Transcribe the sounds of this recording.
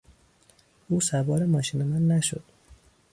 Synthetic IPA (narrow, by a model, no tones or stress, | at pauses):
uːsævɒːɾemɒːʃiːne̞mænːæʃo̰d̪̥